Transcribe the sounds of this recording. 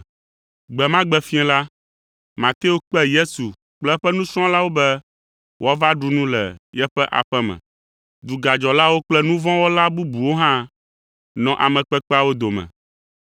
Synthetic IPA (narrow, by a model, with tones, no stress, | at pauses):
ɡ͡bɛ˨mã˦ɡ͡bɛ˨fĩ˦ɛ̃˦la˦ | mã˨t̪e˦o˦k͡pɛ˦je˦su˨ | k͡plɛ˦ɸɛ˦nũ˦sɾ̃ɔ̃˦la˦wo˦bɛ˦ | wo˦a˦va˦ɖu˦nũ˦lɛ̰˨jɛ˦ɸɛ˦ʔa̰˨ɸɛ˦mɛ̰̃˨ | d̪u˨ɡa˨d͡ʒɔ˨la˦wo˦k͡plɛ˦nũ˦vɔ̃˦wo˦la˦bu˦bu˨wo˦ɦã˦ | nɔ̃˨ʔa̰˨mɛ̃˨k͡pɛ˦k͡pɛ˦a˦˨wo˦d̪o˨mɛ̰̃˨